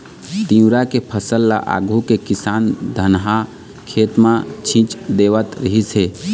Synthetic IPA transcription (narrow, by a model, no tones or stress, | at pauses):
t̪ĩũɾakepʰəsəlːa̰ʔa̰ɡʱukekisand̪ʱənɦa | kʰet̪mãt͡ʃʰĩt͡ʃd̪eʋət̪ɾəɦisɦe